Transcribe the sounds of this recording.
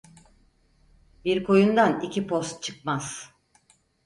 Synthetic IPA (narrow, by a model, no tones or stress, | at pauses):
biɾkʰo̞jund̪anicʰipʰost̪̚t͡ʃʰɯk̚maz̥